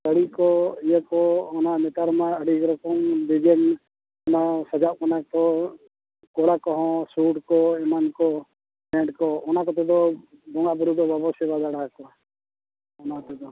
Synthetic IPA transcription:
dəɽikɔijɛkɔɔnaʔmɛt̪aɾmaəɖiɡɾɛkɔŋb̪id͡ʒɛn | ɔnasad͡ʒaʔkanak̪ɔ | kɔɽakɔɦɔ̃suɖkɔɛmankɔ | mɛ̃ɳɖkɔɔnakɔt̪ɛd̪ɔbɔŋaʔbɔɾud̪ɔbabɔsɛbad̪aɽakɔ | ɔnat̪ɛd̪ɔ

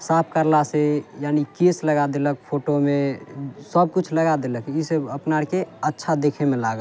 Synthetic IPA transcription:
sap̚ʰkəɾlasejaːnikesləɡad̪elək̚pʰoʈomẽsəb̚kut͡ʃʰləɡad̪eləkiseəpnaɽkeətːʃʰad̪ekʰemelaɡə

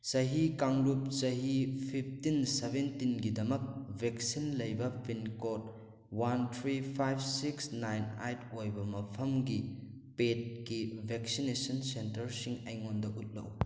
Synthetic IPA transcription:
sɐɦikaŋlup̚sɐɦipʰip̚ʰtinsebentinɡidɐmɐk̚bʱek̚sinlɐjbɐpʰinkot̚ | wantʰɾipʰajbsiksnajna̰jtʰojbɐmɐpʰɐmɡi | pet̚kibʱeksinesɐnsentɐɾsiŋɐjŋondɐʔut̚lɐ̰w

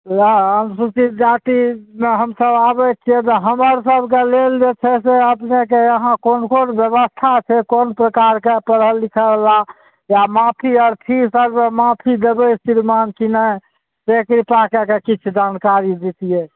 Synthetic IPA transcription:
ənsut͡ʃit̪d͡ʒaʈimeɦəmsəbabɛtt͡ʃʰijɛt̪ɔɦəməɾsəbʱkeleld͡ʒet͡ʃʰɛseəpnekeəɦãkonkonbjəbəst̪ʰat͡ʃʰɛkonpɾəkaɾkepəɾəlːikʰəla | jamapʰiəɾp̪ʰisəɾmemapʰid̪ebəjsiɾmankinə | sekɾipakekekit͡ʃʰud͡ʒankaɾid͡ʒ̪it̪ije

